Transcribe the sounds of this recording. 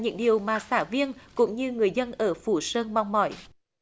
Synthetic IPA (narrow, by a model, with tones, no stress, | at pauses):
ɲɨ̰˧˥ŋɗi˨˩əwmaː˨˩saː˧˩vi˧ənkʊ̰˧˥ŋ͡mɲɨ˧ŋɨ˨˩əjzə˧nʔəː˧˩fu˧˩səː˧nɓa˨˧wŋ͡mmɔ̰˧˩j